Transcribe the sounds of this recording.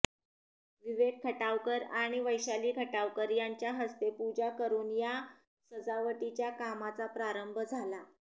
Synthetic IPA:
ʋiʋeɡ̪̚kʰːəʈaʋkəɾaɽ̃iʋəjɕaliːkʰəʈaʋkəɾjaɲt͡ɕjaɦəst̪epud͡ʑakəɾuːnja | səd͡zaʋəʈit͡ɕjakamat͡sapɾaɾəmbʱəd͡zʱala

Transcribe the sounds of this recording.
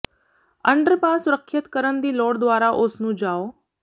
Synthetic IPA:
ə̃ɳɖəɾpaːsʊɾəkʰːət̪kəɾənd̪iːlɔːɽd̪ʊʋaːɾaʔosnũːd͡ʒaːoː

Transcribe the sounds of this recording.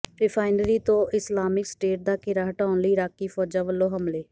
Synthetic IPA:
ɾɪpʰaːɪnəɾiːt̪õːɪslaːmɪksʈeːʈ̚d̪aːkɪɾaːɦəʈaːʊnləiːɾaːkːiːfʰɔːd͡ʒãːʋəlːõːɦəmleː

